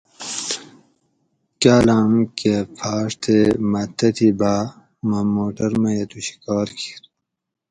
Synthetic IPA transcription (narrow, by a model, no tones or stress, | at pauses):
kaːlaːmkepʰaːʂt̪ʰemɐt̪ːɐt̪ʰiba | mɐmoːʈɐɾmɐjɐt̪uɕi̥kɑːɾkʰi̥ɾ